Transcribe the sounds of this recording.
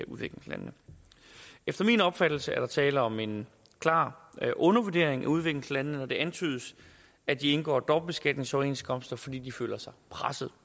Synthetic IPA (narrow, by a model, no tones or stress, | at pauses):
uðˠʋeɡ̥leŋslæ̰nnə | efd̥ɐminɒ̽b̥fæd̥l̩səæɐɾ̥ɑ̈t͡sʰɛːləɒ̽me̝n | kʰlɑ̰̈ːʔɔ̽nɐʋuɐd̥e̝ɐ̰eŋæuð̞ˠʋe̝ɡ̥ləslænnənɒd̥e̝ʔænt͡sʰy̰ːð̞ˠs | æd̥ie̝nɡ̥ɒ̰ːd̥ɒb̥̚b̥e̝sɡ̥æd̥ne̝ŋsɒe̝̰ːnskʰɒ̽msd̥ɐfɒ̽d̥ḭːd̥ifø̰ːlɐsɑ̈ɪpʰʁasəð̞̩ˠ